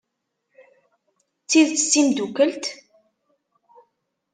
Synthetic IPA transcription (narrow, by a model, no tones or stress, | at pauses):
t͡sːiðt͡sə̥sːimd̪ukəlt̪